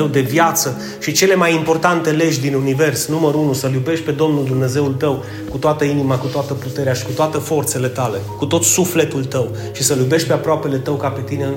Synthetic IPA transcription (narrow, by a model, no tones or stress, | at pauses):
ewd̪e̞vjat̪sə | ʃit͡ʃe̞le̞majimpo̞rt̪ant̪e̞le̞ʒʲd̪inunive̞rsnuməɾunusəljube̞ʃt̪̚ʲpe̞d̪o̞mnuld̪umne̞ze̞ult̪əw | kut̪oat̪əinimakut̪oat̪əput̪eɾeaʃi̥kut̪oat̪əfo̞rt̪se̞le̞t̪ale̞kut̪o̞t̪sufle̞t̪ult̪əw | ʃisəljube̞ʃt̪̚pe̞apɾoape̞le̞t̪əwkape̞t̪ine